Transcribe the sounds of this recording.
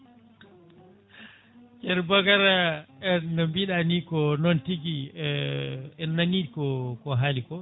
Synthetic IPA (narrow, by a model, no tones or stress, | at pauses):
kɛɾbakaɾaɛnɔmbiɗanikɔnontiɡi | ɛnːanikɔkɔɦalikɔ